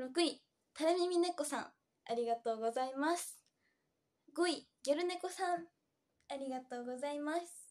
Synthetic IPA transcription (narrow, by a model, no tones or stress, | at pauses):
ɾo̞kɯ̟i | t̪aɾɯmʲimʲine̞kːo̞sã̰ŋ̃ | aɾʲiɡat̪o̞ːɡo̞zaimasɨ̥ | ɡoi | ɡʲeɾɯ̟ne̞ko̞sãŋ | aɾʲiɡat̪o̞ːɡo̞zaimasɨ̥